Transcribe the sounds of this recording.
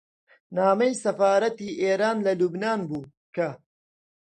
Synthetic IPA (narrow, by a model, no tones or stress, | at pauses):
naːmɐjsɐfaːɾɐt̪iːʔeːɾaːnlɐlubnaːnbuː | kʰɐ